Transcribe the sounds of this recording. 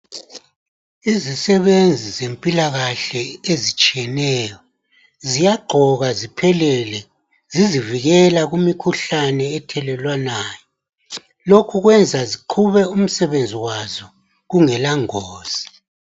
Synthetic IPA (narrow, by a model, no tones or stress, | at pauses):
izisɛβend͡zʱizempʼilaɣaɬɛezit͡ʃʼijɛnɛːjɔ | zijaɡ͡ǃʱɔɣazipʰɛlɛlɛ | ziziviɣɛlaɣumikʰuɬanɛːtʰɛlɛlwanaːjɔ | lokʰuɣwɛnd͡zʱaziǃʰuβɛum̩sɛβend͡zʱiwazɔ | ɣuŋɛlaŋɔːz̥i